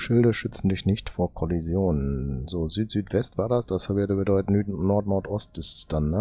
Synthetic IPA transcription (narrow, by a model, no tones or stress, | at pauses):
ʃɪldɐʃʏt͡sn̩dɪçnɪçtfoːɐkʰɔlizjoːnənzoːzyːtz̥yːtv̥ɛstv̥aːɐdasd̥ashaːbɪɐdəbədɔʏtənyːnɔɐtnɔɐtʔɔst̚b̥ɪstə̥sd̥anːə